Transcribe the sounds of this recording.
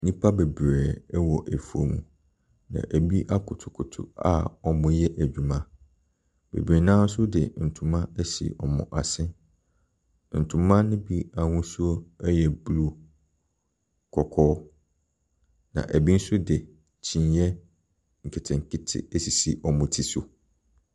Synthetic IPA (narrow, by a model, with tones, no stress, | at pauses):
nĩ˦pʰa˦be˨bɾɛ˨˦wɔ˨ʔæ˨fu˨o˨mṵ̃˨ | nã̰˨ʔæ˨bi˦ʔa˦kʰʊ˨tʰʊ˨kʰʊ˨tʰʊ̰˨a̰˦ɔ˨mʊ̃˦jɛ˦ʔæ˨d͡ʑᶣu˨mã˦ | b̥ḛ˨bɾe˨nã˦n̩˦sʊ˦dɪ̰˨n̩˨tʰũ˨mã˦æ˦sḭ˨ʔɔ˨mʊ̰̃˨ʔa˨sɪ̃˦ | n̩˨tʰũ˨mã˦nʊ̃˦bi˦a˨ŋũ˦su˦o˦ɛ˦jɛ˨bu˦lu˦ | kʰɔ˨kʰɔː˦ | nã̰˨ʔæ˨bi˦n̩˦sʊ˦dɪ˨ | t͡ɕʰĩ˨njɛ˦ | ŋ̩˨kʰɛ˨tʰɛ̃˨ŋ˨kʰɪ˦tʰɪ̰˨æ˦si˨si˨ʔɔ˨mʊ̃˨tʰi˦sʊ˨